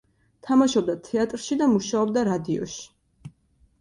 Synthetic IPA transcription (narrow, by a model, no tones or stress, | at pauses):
t̪ʰamaʃɔb̚d̪at̪ʰɛat̪ʼɾʃid̪amuʃaɔbd̪aɾad̪iɔ̰ʃi̥